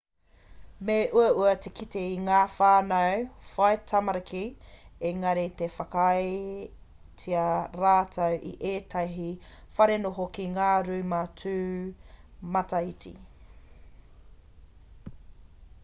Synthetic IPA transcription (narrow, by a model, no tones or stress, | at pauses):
meʔuɐuɐtʰekʰiteiŋaːfaːnɐwfɐjtʰɐmɐɾɐkieŋɐɾet̪efɐkj | t͡sʰiɐɾaːtʰɐwʔḭʔeːtʰɐɦi | fɐɾenoɦokiŋaːɾuːmat͡sʰʉː | mɐtɐitʰḭ